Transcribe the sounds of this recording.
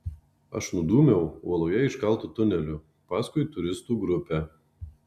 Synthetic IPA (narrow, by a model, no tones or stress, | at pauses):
ɐ̰ʃnʊd̪uːmʲɛʊṵɔlˠɔjɛɪʃkɐlˠt̪ut̪ʊnʲɛlʲʊ | pɑːskʊɪt̪ʊɾʲɪst̪uːɡɾʊpʲɛː